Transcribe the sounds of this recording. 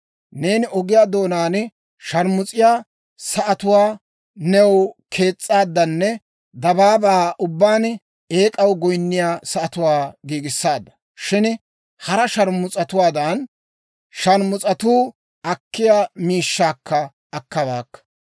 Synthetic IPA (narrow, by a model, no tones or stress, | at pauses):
ne̞ːnɪʔɔɡɪjaːd̪o̞ːnaːn | ʃɐɾmʊt͡sʼɪjaː | sɐʔɐt̪ʊwaː | nɛwkʰe̞ːt͡sʼːaːd̪ːɐnːɛ | d̪ɐbaːbɐːʔʊbːaːn | e̞ːkʼɐwɡɔjnːɪjaːsɐʔɐt̪ʊwaːɡiːɡɪsːaːd̪ːɐ̥ | ʃɪn | hɐɾɐʃɐɾmʊt͡sʼɐt̪ʊwaːd̪ɐn | ʃɐɾmʊt͡sʼɐt̪uː | ɐkːɪjaːmiːʃːaːkːɐː | kːɐbaːkːɐ̥